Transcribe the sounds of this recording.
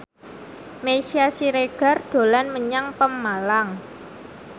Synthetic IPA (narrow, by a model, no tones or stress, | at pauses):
mesiasiɾeɡ̥a̤rd̪̥o̤lanməɲaŋpəmːalaŋ